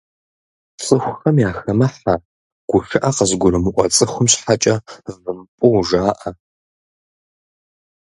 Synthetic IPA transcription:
t͡sʼɨxʷxɐmjaːxɐmɐħa | ɡ̥ʷʊxʲɪʔɐqəzɡʷʊɾɨmɨʔʷʼɔt͡sʼɨxʷʊmɕħat͡ʃʼɐvɨmpʼʊwʒaːʔɐ

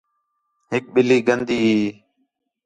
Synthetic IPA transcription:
ɦɪk̚ɓɪliːɡənd̪iːɦiː

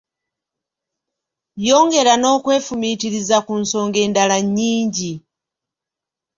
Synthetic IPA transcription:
jo̞ːŋɡe̞ɾano̞ːkwe̞ːfumitiɾizakunso̞ːŋɡe̞ːndalaɲːiːɲɟi

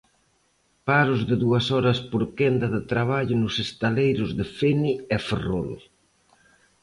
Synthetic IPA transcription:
paɾʊzðɪðuɐsɔɾɐspʊɾkend̪ɐðɪt̪ɾaβ̞aʎʊnʊsest̪alejɾʊzðɪfeniɛferol

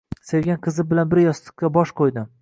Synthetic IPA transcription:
se̞ɾɡʲanqʰɨzɪbɪlanbɪɾjɒst̪ɨ̥q̚kʲːabɒʃqʰojd̪ɪm

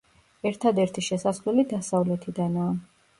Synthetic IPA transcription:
ɛɾt̪ʰad̪ɛɾt̪ʰiʃɛsaslɛlid̪asavlɛt̪ʰid̪anaː

